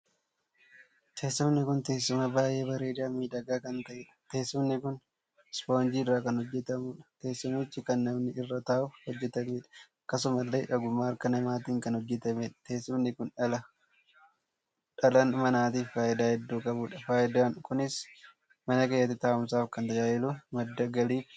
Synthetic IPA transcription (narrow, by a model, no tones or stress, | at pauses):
t̪ʰe̞ːsːʊmnɪkʊnt̪e̞ːsːʊmɐbaːjʔeːbɐɾeːᶑaːmiːᶑɐɡaːkɐnt̪ɐʔɛᶑɐ̥t̪e̞ːsːʊmnɪkʊn | spoːnd͡ʒiːɪrːaːkɐnhɔd͡ʒːɛt̪ɐmuːᶑɐ̥t̪e̞ːsːʊmɪt͡ʃːɪkɐnːɐmnɪʔɪrːɐt̪aːʊfhɔd͡ʒːɛt̪ɐmeːᶑɐ̥ɐkːɐs̬ʊmɐlːeːᶑɐɡʊmːaːɐɾkɐnɐmaːt̪iːŋkɐnhɔd͡ʒːɛt̪ɐmɛᶑɐ̥t̪e̞ːsːʊmnɪkʊnᶑɐlɐ | ᶑɐlɐnmɐnaːt̪iːfːaːʔɪd̪aːhɛd̪ːuːkʼɐbuːᶑɐfaːjɪd̪aːnkʊnɪs | mɐnɐkeːjːɐt̪ːɪt̪aːɐmsaːfkɐnt̪ɐjaːʔɪlumɐd̪ːɐɡɐliːf